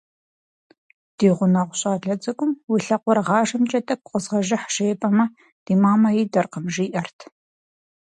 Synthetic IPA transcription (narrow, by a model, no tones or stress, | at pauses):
d̥iːʁʷʊnɐʁʷʊɕʼaːɮɐt͡sʼɐkʷʼʊmwiɬɐqʷɔɾʁɑːʒɐmt͡ʃʼɐtʼɐkʷʼʊqʼəzʁɐʒɪħʃeːpʼɐmɐ | d̥iːmaːmɐjiːdɐrqəmʒiːʔɐrtʰ